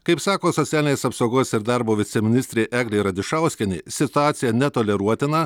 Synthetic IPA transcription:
kɐɪpsɑːkoːsɔt̪sʲæːlʲɪnʲeːsɐpsoːɡoːsɪɾd̪ɑɾboːʋʲɪt̪sʲɛmʲɪnʲɪsʲt̪ʲɾʲeːʔæːɡlʲeɪɾɐd̪ʲɪʃɑˑʊsʲkʲɛnʲḛːsʲɪt̪ʊɑːt̪sʲɪjɛnʲɛt̪oːlʲɛɾuɔt̪ʲɪnɐ

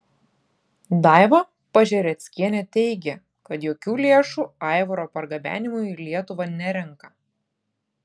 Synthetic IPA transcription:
d̪ɑˑɪʋɐ | pɐʒʲɛɾʲɛt̪sʲkʲiɛnʲɛt̪ʲɛɪɡʲɛ | kɐt̪joːkʲuːlʲeːʃuːɑˑɪʋoɾoːpɐɾɡɐbʲæ̰ːnʲɪmʊlʲiɛt̪ʊʋɐnʲɛɾʲɛŋˑkɐ

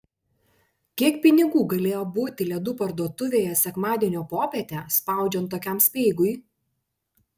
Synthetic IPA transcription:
kʲiɛkpʲɪnʲɪɡuːɡɐlʲeːjoːbuːt̪ʲɪlʲɛd̪uːpɐɾd̪uɔt̪ʊʋʲeːjɛsʲɛkmɑːd̪ʲiɛnʲoːpoːpʲɛt̪ʲɛˑspɑˑʊd͡ʒʲɛnt̪̬ːoːkʲɛˑmsʲpʲɛɪɡʊɪ

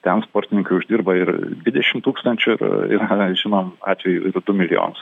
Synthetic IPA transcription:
t̪ʲɛnspoːɾʲt̪ʲɪnʲɪŋkɐɪʊʒʲd̪ʲiːrbɐɪɾd̪ʲʋʲɪd̪ʲɛʃʲɪmt̪uːkst̪ɐnʲt͡ʃʲʊɪɾɪ̰ɾɐʒʲɪnoːmɑ̰ːt̪ʲʋʲɛjʊ̰ɪrd̪ʊmʲɪlʲɪjo̰ːnʊs

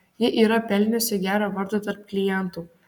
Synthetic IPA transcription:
jɪʔiːɾɐpʲɛlʲnʲosʲɪɡʲæːɾɐːʋɐɾd̪ot̪ɐɾp̚klʲɪjɛnt̪uː

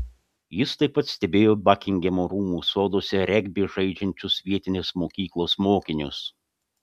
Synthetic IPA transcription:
jɪst̪ɐɪpːɐt̪sʲt̪ʲɛbʲeːjoːbɑkʲɪŋʲɡʲɛmoːɾuːmuːsoːd̪oːsʲɛɾʲɛɡʲbʲeːʒɐɪd͡ʒʲɛnʲt͡ʃʲʊsʋʲiɛt̪ʲɪnʲeːsmoːkʲiːklˠoːsmoːkʲɪnʲʊs

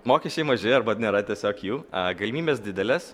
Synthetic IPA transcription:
moːkʲɛʃʲt͡ʃʲɛɪmɐʒʲɪɐɾbɐnʲeːɾɐt̪ʲiɛsʲoːkjuːɐɡɐlʲɪmʲiːbʲeːsd̪ʲɪd̪ʲɛlʲeːs

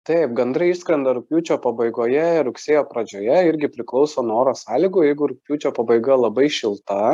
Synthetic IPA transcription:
t̪ɐɪp̚ɡɐnd̪ɾɐiʃskɾʲɛnd̪ɐɾʊpʲjuːt͡ʃʲoːpɐbɐɪɡoːjɛɪɾʊksʲeːjoːpɾɐd͡ʒʲoːjɛɪɾʲɡʲɪpʲɾʲɪklˠɒʊsoːnoːɾoːsɑːlʲiːɡʊjɛɪɡʊɾʊpʲjuːt͡ʃʲoːpɐbɐɪɡɐlˠɐbɐɪʃʲɪlˠt̪ɐ

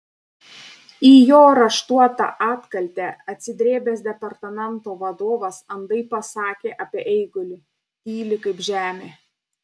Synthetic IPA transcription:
iːjoːɾɐʃt̪uɔt̪ɑ̰ʔɑːt̪kɐlʲt̪ʲæɐt̪ʲsʲɪd̪ʲɾʲeːbʲeːsd̪ʲɛpɐɾt̪ɐmʲɛnˑt̪oːʋɐd̪oːʋɐsɐnd̪ɐɪpɐsɑːkʲeːʔɐpʲiɛʔɛɪɡʊlʲɪ | iːlʲɪkɐɪpʒʲæːmʲeː

